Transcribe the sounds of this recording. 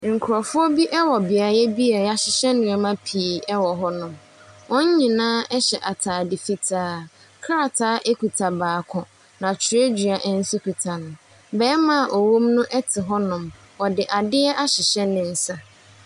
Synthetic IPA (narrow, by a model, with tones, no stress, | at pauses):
ŋ̩˨kʰʊ˨ɾɔ˨fʊ˦ɔ˦bi˦ʔɛ˦wɔ˨bɪ˨a˨jɛ˦bi˦a˨˦a˨ɕɪ˨ɕɛ˦nʊ̃˨ɛ˨mã˦pʰi˨ɛ˦wɔ˨ɦɔ˦nʊ̃˨m | wɔ̃˦ɲ̩˦ɲĩ˨nãː˦ʔɛ˦ɕɛ̰˨ʔa˨tʰaː˨dɪ˨fi˦tʰaː˦ | kʰa˦a˨tʰaː˦ʔe˦ku˨tʰa˨baː˨kʰɔ̃˨ | nã˨t͡ɕʰɪ˨ɾe˦d͡ʑi˨a˨ʔɛ˦n̩˦sʊ˦kʰi˨tʰa˨nʊ̃˨ | bɛː˦mã˨ʔo˨wo˦mnʊ̃˦ʔɛ˦tʰɪ˨ɦɔ˦nʊ̃˨m | wɔ˨dɪ˨ʔa˨dɪ˦ɛ˦ʔa˦ɕɪ˨ɕɛ˦nɪ̃˨n̩˨sa˦